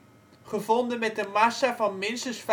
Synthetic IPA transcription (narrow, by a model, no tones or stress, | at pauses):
χəvɔndənmɛt̚dəmɑsavɑnmɪnsəsf